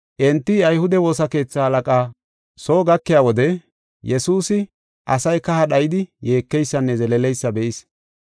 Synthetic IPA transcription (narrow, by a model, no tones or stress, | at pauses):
ʔɛnt̪ːɪɐjhʊd̪ɛwo̞ːsɐke̞ːt͡sːaɐlɐkʼaː | soːɡɐkːɪjaːwɔd̪ɛ | jɛsuːsɪ | ʔɐ̰sɐjkɐhɐɗɐjɪd̪ɪje̞ːkːɛjsːɐnːɛzɛlɛlɛjsːɐbɛʔɪs